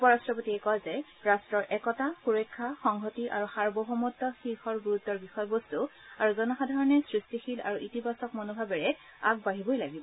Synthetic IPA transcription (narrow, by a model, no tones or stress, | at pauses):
upɔɹastɹɔpotiɛkɔlzɛ | ɹastɹɔɹʔɛkɔtaxuɹɔkʰːaxɔŋɦotiʔa̰ɹuxaɹbɔɦɔmɔtːɔxixɔɹɡuɹut̪ːɔɹbixɔjɔbostu | aɹuzɔnɔxadʱaɹɔnɛsɹistixila̰ɹuʔitibasɔkmɔnobʱabɛɹɛ | a̰k̚baɦibojlaɡibɔ